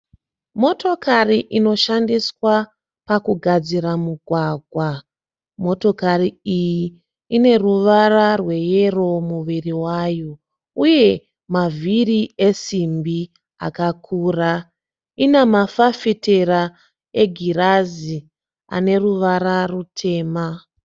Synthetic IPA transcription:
mo̞to̞kariʔino̞ʃandiswa | pakuɡʱad͡ziɾamuɡʱwaːɡʱwa | mo̞to̞kariiji | ine̞ruʋararwe̞je̞ro̞muʋiriwaːjo | uje̞ | mavʱirie̞simbi | a̰kakʰuːra | inemafafitera | eɡʱirazi | a̰ne̞ruʋaɾarutʰe̞ːma

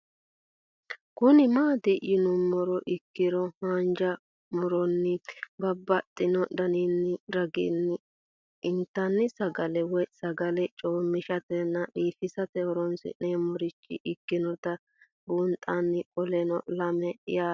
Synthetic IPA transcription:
kʊnɪmaːd̪ɪjɪnʊmːɔɾɔʔɪkːɪɾɔhaːnd͡ʒɐ | mɔɾɔnːɪbɐbːɐt̪ʼːɪnɔd̪ɐninːɪɾɐɡɪ̰nːɪ | ɪnt̪ːɐnːɪsɐɡɐlɛwɔsɐɡɐlɛt͡ʃʼoːmːɪʃɐt̪ɛnːɐɗiːfɪsɐt̪ɛɔɾɔnsɪ̰neːmɔɾɪt͡ʃːɪ̰ʔɪkːɪnɔt̪ɐ | buːnt̪ʼːanːɪkʼɔlɛnɔ̰lɐmɛ̰ja

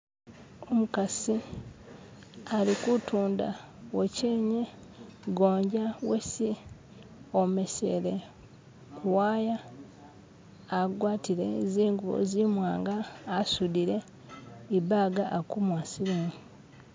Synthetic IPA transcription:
omukasi | alikutuːnda̰ | weceːɲeɡoːɲɟawesi | omesḛle | kuwaːja | ɡwaːtiɾḛziːŋɡuo̰zimwaːŋɡaːsudiɾe | ibaɡaʔːkumwaːsilumi

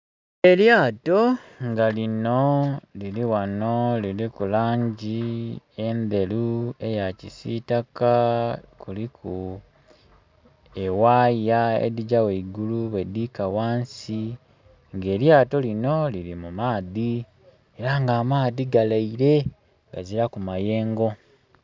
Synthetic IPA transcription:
eljaːto̞ŋɡalino̞liliwano̞lilikulaːɲɟi | e̞nde̞lue̞jacisitakakulikʰu | ewaːjaḛdiɟaweiɡuluβwe̞d̪iːkawaːnsi | ŋɡe̞ːljaːto̞lino̞liɾimumaːði | eɾaŋɡaːmaːðiɡalaiɾe̞ | ŋɡaziɾakumaje̞ːŋɡo̞

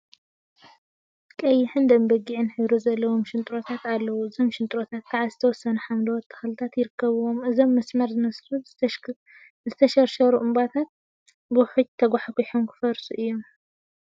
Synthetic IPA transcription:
kʼɐjːɪħɨnd̪ɐmbɐɡiʕɨnħɨβɾozɐlːɐwomʃɨnt̪ʼɾo̞t̪ʰat̪alːɐwuɨzo̞mʃɨnt̪ʼɾot̪ʰat̪̚kʰaʕazɨt̪ʰɐwɔsːɐnuħamlɐwɔt̪ʼʰːɐ̥xlɨt̪ʰat̪jɪɾɨkʰːɐβɨwomɨzo̞mːɐsmɐɾzɨnɐsɾu | zɨt̪ʰɐʃɐɾʃɐɾuʔɨmbat̪ʰat̪̚ | bɨwħut͡ʃ̚t̪ʰɐɡʷaħaɡiħomkʰɨ̥fɐɾsuʔɨjːom

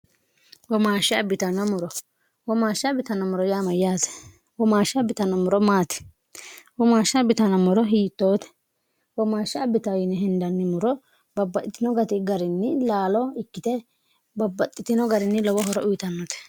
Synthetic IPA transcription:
wɔmaːʃːɪɐbɪt̪ɐnɐmʊɾɔ | wɔmaːʃːɐbɪt̪ɐnɐmʊɾɔjaːmɐjaːsɛ̥ | wɔmaːʃːɐbɪt̪ɐnɐmʊɾɔmaːt̪ɛ̥ | wɔmaːʃːɐbɪt̪ɐnɐmʊɾɔɦiːt̪ːoːt̪ɛ̥ | wɔmaːʃːɪɐbɪt̪ɐjɪnɪɦɪnd̪ɐnːɪmʊɾɔ | bɐbːɐt̪ʼːɪt̪ːɪnɔɡɐt̪ɪɡɐɾɪnːɪlaːlɔɪkːɪt̪ɛ | bɐbːɐt̪ʼːɪt̪ɪnɔɡɐɾɪnːɪlɔwɔɦɔɾɔʔʊjt̪ɐnːɔt̪ɛ̥

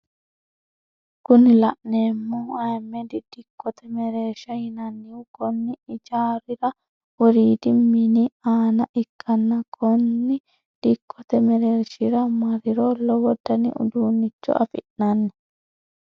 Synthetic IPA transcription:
kʊnɪlɐʔneːmːɔɐjmːɛd̪ɪd̪̥ɪkʰːɔt̪ɛmɛɾeːɾʃɐhɪnɐnːɪwʊkɔnːɪɪd͡ʒaːɾɪɾɐ | wɔɾiːd̪ɪmːɪnɪaːnɐʔɪkʰːɐnːɐkʰɔnːɪ | d̪̥ɪkʰːɔt̪ɛmɛɾeːɾʃɪɾɐmɐɾɪɾolɔwɔd̪ːɐnɪ̰ʔʊ̰d̪uːnːɪt͡ʃːɔ̰ʔɐ̰fɪ̰ʔnɐnːɛ

